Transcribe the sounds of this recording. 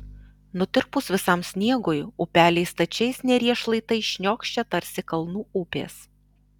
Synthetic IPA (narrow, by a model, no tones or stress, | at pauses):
nʊt̪ʲɪɾpʊsʋʲɪsɐmsʲnʲiɛɡojʊpʲæːlʲɛɪst̪ɐt͡ʃʲɛɪsnʲɛɾʲiɛʃlˠɐɪt̪ɐɪʃʲnʲoːkʃʲt͡ʃʲɛt̪ɐɾʲsʲɪkɐlˠnuːupʲḛːs